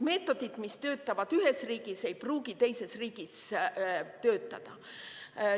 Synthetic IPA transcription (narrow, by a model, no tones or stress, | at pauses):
me̞ːt̪ːˑo̞d̪̥it̪mist̪ø̞ːt̪ːˑɑvɑd̪̥yɦesriːɡ̥ise̞jpruːɡ̥it̪e̞jse̞sriːɡ̥is | t̪ø̞ːt̪ːˑɑd̪̥ɑ